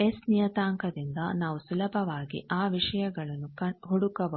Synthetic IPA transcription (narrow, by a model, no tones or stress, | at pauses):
esnijɐt̪aːŋkɐd̪ind̪ɐnaːʋusulɐbʱɐʋaːɡḭʔaːʋiʂɐjɐɡɐɭɐnːukɐɦoɽukːɐʋɐ